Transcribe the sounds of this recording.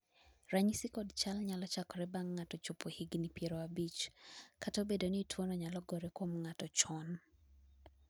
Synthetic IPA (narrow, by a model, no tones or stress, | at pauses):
ɾaɲisikɔdt͡ʃalɲalɔt͡ʃakɔɾɛbaŋːatɔt͡ʃopohiɡnipjeɾoabit͡ʃkatobedoniːtʰwonɔɲalɔɡɔɾekwomŋatɔt͡ʃɔn